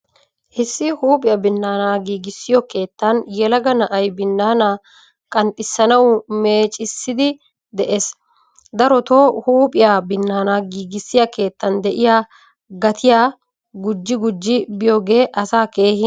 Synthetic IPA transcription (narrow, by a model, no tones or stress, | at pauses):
ʔɪsːɪhuːpʼɪjabɪnːaːnaːɡiːɡɪsːɪjɔke̞ːt̪ːɐnjɛlɐɡɐnɐʔɐjbɪnːaːnaː | kʼɐnt̪ʼːɪsːɐnɐwme̞ːt͡ʃʼɪsːɪd̪ɪ | d̪ɛʔeːs | d̪ɐɾɔt̪oːhuːpʼɪjaːbɪnːaːnaːɡiːɡɪsːɪjake̞ːt̪ːɐnd̪ɛʔɪjaː | ɡɐt̪ʰɪjaː | ɡʊd͡ʒːɪɡʊd͡ʒːɪbɪjoːɡe̞ːʔɐsaːke̞ːhɪ